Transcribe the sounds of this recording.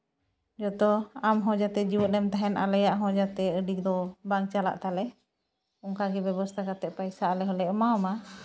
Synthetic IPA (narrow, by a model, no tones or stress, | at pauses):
d͡ʒɔt̪ɔamɦɔ̃d͡ʒat̪ɛd͡ʒiwɔnɛmt̪aɦɛnʔa̰lajaʔɦɔ̃d͡ʒat̪ɛəɖik̚d̪ɔbaŋt͡ʃala̰ʔt̪alɛ | ɔŋkaɡɛbɛbɔst̪ʰakat̪ɛʔpajsaalɛɦɔlɛʔɔmaɔma